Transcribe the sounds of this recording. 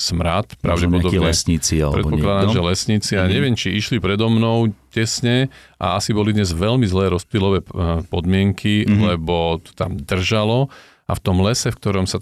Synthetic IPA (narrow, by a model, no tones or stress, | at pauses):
smɾat̪pɾa̰ʊɟɛpɔd̪ɔbɲɛsɲit͡sia̰ɾɛ̰tpɔklad̪amʒɛlɛsɲit͡siaaɲɛʋɪɛmt͡ʃiiʃlipɾɛd̪ɔmnɔʊcɛsɲɛʔa̰asibɔlid̪ɲɛzʋɛlmizlɛːɾɔspilɔʋɛːpɔd̪mɪɛŋkʰilɛbɔt̪ɔ̥t̪a̰md̪r̩ʒalɔ | ʔa̰ft̪ɔmlɛsɛfk̚t̪ɔɾɔmsa